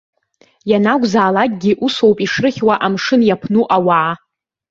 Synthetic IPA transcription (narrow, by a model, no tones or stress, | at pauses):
janaɡʷzaːlak̚ʼɡʲiʔuso̞wpʼiʂrɨχʲwaʔamʂɨnjapʰnuʔawaː